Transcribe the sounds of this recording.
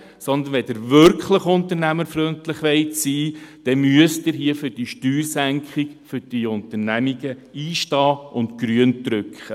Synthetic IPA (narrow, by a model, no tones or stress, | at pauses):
sɔnd̪ənʋɛdɪɾvʏɾkχləχʊntənæməɾfɾøntlɪχʋɛɪtsiːd̥ɛmyəsd̥ɪɾɦiəfʏɾd̥iʃtyːɾsæŋkχiɡfʏɾd̥iʊntəɾnæmiɡ̥əiːʃtɑːʔʊntkɾyəntɾʏkχə